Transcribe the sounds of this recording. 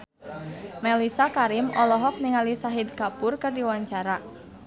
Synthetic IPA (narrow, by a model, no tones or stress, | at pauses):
mɛlisakaɾɪmʔɔlɔɦɔk̚niŋalisaɦid̪kapʊrkɨrdiwaɲt͡ʃaɾa